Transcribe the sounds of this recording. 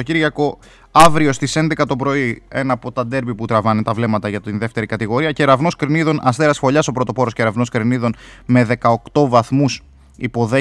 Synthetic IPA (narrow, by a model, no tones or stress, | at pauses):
ociɾʝɐko̞ | ɐvɾio̞st̪ise̞nd̪e̞kɐt̪o̞pɾo̞ie̞nɐːpo̞t̪ɐd̪e̞ɾbiput̪ɾɐvɐnet̪ɐvle̞mɐt̪ɐʝɐt̪inðe̞ft̪e̞ɾikɐt̪iɣo̞ɾiɐce̞ɾɐvno̞skɾeniðo̞nʔɐst̪eɾɐsfo̞ʎɐso̞pɾo̞t̪o̞po̞ɾosceɾɐvno̞skɾeniðo̞nme̞ðe̞kɐo̞kt̪o̞vɐθmus | ipo̞ðe